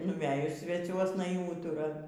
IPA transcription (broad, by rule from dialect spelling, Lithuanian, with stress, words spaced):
nʊˈʋʲæːjʊs sʲʋʲɛˈt͡sʲuɔsnɐ iː ˈuːtʊrɐ